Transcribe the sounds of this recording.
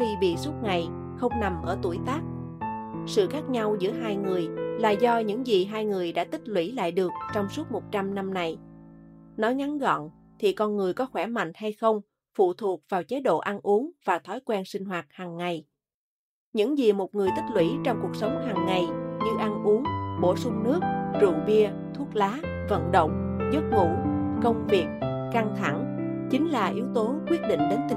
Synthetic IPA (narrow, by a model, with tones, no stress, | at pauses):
xi˧ɓḭ˧˨su˦˥t̚ŋa˨˩j | xə˧wŋ͡mna˨˩mʔəː˧˩t̪u˧˩əjt̪aː˦˥k̚ | sɨ̰˧˨xaː˦˥k̚ɲa˧wzɨ̰˧˥əɦaː˧jŋɨ˨˩əjla̰ː˨˩zɔ˧ɲɨ̰˧˥ŋzi˨˩ɦaː˧jŋɨ˨˩əjɗa̰ː˧˥t̪ï˦˥k̟̚lwḭ˧˥la̰ː˧˨jɗɨ˨˩ək̚t͡ɕɔ˧wŋ͡msu˦˥t̚mo˨˩t̚t͡ɕa˧mna˧mna˨˩j | nɔ˨˦jŋa˨˦nɣɔ̰˧˨n | t̪ʰi˨˩kɔ˧nŋɨ˨˩əjkɔ˨˦xwɛ˧˩ma̰˧˨ŋ̟ha˧jxə˧wŋ͡m | fṵ˧˨t̪ʰu˨˩ək̚v̥aː˨˩wt͡ɕe˨˦ɗo̰˧˨ʔa˧nʔu˨˦əŋv̥aː˨˩t̪ʰɔ˨˦jkwɛ˧nsï˧ŋ̟ɦwaː˨˩t̚haː˨˩ŋːa˨˩j | ɲɨ̰˧˥ŋzi˨˩mo˨˩t̚ŋɨ˨˩əjt̪ï˦˥k̚lwḭ˧˥t͡ɕɔ˧wŋ͡mku˨˩ək̚sə˨˦wŋ͡mɦaː˨˩ŋːa˨˩jɲɨ˧ʔa˧nʔu˨˦əŋɓo̰˧˩sʊ˧ŋ͡mnɨ˦˥ək̚t͡ɕṵ˧˨ŋvi˧ə | t̪ʰu˦˥ək̚laː˨˦ | və̰˧˨nɗə̰˧˨wŋ͡m | zə˦˥t̚vṵ˧˩˨kə˧wŋ͡mvi˨˩ək̚ | ka˧ŋt̪ʰa˧˩ŋ | t͡ɕï˨˦ŋ̟laː˨˩ʔi˨˦əwt̪o˨˦kwi˦˥ət̚ɗḭ˧˨ŋ̟ɗe˨˦nt̪